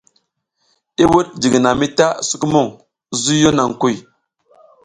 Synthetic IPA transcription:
i˦wu˦ɗ̚d͡ʒi˨ɡna˨mi˦ta˦su˦ku˦mo˦˨ŋ | zu˦jo˦na˨ŋku˦˨j

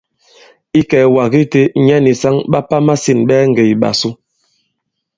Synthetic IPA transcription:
i˦kɛː˨wa˨ɣi˦te˦ɲɛ˦ni˨sa˦ŋɓa˦pa˦ma˦si˦˨nɓɛː˦ŋ̩˨ɡe˨i˨ɓa̰˨su˦

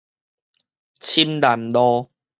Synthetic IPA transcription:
t͡ɕʰi˦mla˨˩mlɔ˦

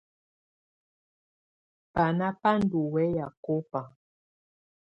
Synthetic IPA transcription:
pa˨na˦pa˦n˨du˨wɛ˦ja˨ko˦pa˨

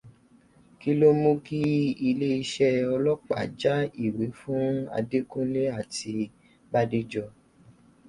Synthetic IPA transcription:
ki˦lo˦mũ˦ki˦i˧le˦i˧ʃɛ˦ɔ˧lɔ˦k͡pa̰˨d͡ʒa˦i˦˨we˨˦fũ˦a̰˧de˦kũ˦le˦a˦˨ti˧ | ba˦di˦d͡ʒɔ˧

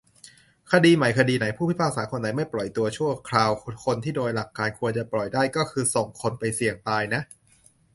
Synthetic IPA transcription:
kʰa˧diː˧ma˩˦jkʰa˧diː˧na˩˦jpʰuː˥˩pʰi˥˩pʰaː˥˩k̚saː˩˦˥kʰo˧nːa˩˦jma˥˩jplɔ˨˩jt̪u˧ɐt͡ɕʰu˥˩ɐkʰɾaː˧wkʰo˧nt̪ʰiː˥˩doː˧jla˨˩kːaː˧nkʰu˧ənt͡ɕa˨˩plɔ˨˩jdaː˥˩jkɔː˥˩kʰɯː˧so˨˩ŋkʰo˧npa˧jsi˨˩əŋt̪aː˧jna˦˥ʔ

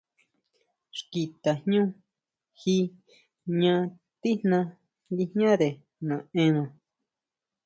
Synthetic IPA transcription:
ʃki˨t̪a˨hɲũ˦ | hi˦ | ɲã˧ | t̪i˦nã˧ | li˧hɲã˦ðe˨ | nã˨ẽ˧nã˨

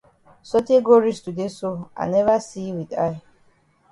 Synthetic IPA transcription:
sɔ˦te˦ɡɔ˦ɹi˦stu˨de˦so˦a̰˨nɛ˦va˦si˦wi˨d̪aj

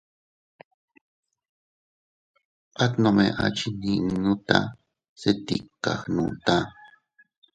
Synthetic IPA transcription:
ʔa˦t̪no˧me˨ʔa˨t͡ʃi˦ni˨nũ˦t̪a̰˦ | se˦t̪ḭ˨kːa̰˨xnṵ̃˨t̪a˦

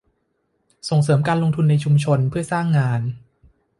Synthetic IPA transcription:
so˨˩ŋsɤː˩˦mkaː˧nlo˧ŋt̪ʰu˧nːa˧jt͡ɕʰu˧mt͡ɕʰo˧npʰɯ˥˩ɐsaː˥˩ŋːaː˧n

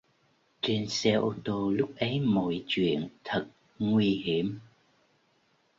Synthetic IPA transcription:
t͡ɕe˧nsɛ˧ʔo˧t̪o˧lʊ˦˥k͡p̚ʔə˨˦jmo̰˧˩jt͡ɕwḭ˧˨ənt̪ʰə˨˩t̚ | ŋwi˧hi˧˩əm

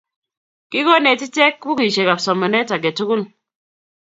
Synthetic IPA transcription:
kɪ˦kɔ˦ne˨ti˦tɛ˦kbu˦ki˨ʃe˨ka˨psɔ˨mɔ˨nɛ˦ta˨ɡɛ˨tu˦kʊ˦l

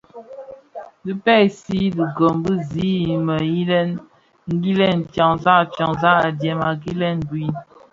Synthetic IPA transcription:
di˦pɛ˦˨si˦di˨ɡo˨mbi˦zi˨˦mə˨ji˦lɛ˦n | ŋ̩˦ɡi˦lɛ˦˨nta˨ŋza˦˨t͡ʃa˨ŋza˦a˨djɛ˨ma˨ɡi˦lɛ˦nbwi˦

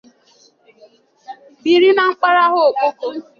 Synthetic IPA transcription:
bi˨ɾi˦na˨ŋ͡m̩˦k͡pa˦ɾa˦ɦʊ˦o˨k͡po˦ko˦

